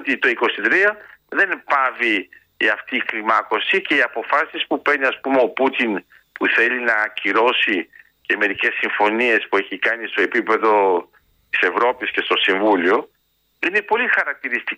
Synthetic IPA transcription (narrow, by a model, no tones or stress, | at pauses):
t̪it̪o̞iko̞sit̪ɾiɐðe̞npɐvi | ɐft̪iːklimɐko̞sice̞iɐpo̞fɐsispupe̞niɐspumeo̞put̪in | puθe̞linɐciɾo̞si | ce̞me̞ɾice̞sːiɱfo̞nie̞spue̞çikɐnist̪o̞e̞pipe̞ðo̞ | t̪i̥se̞vɾo̞pisce̞st̪o̞siɱvulio̞ | ine̞po̞lixɐɾɐk̚t̪iɾist̪i